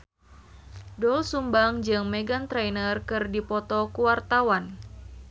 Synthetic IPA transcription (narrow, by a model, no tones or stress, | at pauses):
dɔlsumbaŋd͡ʒɨŋmeɡant̪ɾɛjnərkɨrdipɔt̪ɔkuwart̪awan